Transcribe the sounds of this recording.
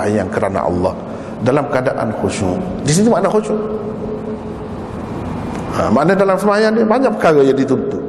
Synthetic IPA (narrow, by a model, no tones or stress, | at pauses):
jankəɾana̰ʔɑ̰lːa̰h | dalamkadaʔa̰nxoʃṵdis̬it̪maʔnaxoʃu | a̰maʔnədalamsəajandbaɲaʔpə̥kaɣəjədit̪unt̪u